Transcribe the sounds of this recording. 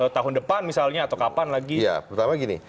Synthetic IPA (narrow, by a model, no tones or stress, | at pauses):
ət̪aɦʊndəpanmisalɲaːt̪awkapanlaɡija̰pəɾut̪amaɡinḭ